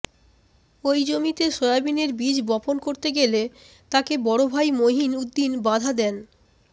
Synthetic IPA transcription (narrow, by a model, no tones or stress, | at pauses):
ojd͡ʑomit̪eʃojabineɾbid͡ʑbɔponkoɾt̪eɡele | t̪akebɔɽobʱajmoɦinud̪ːinbad̪ʱad̪ɛn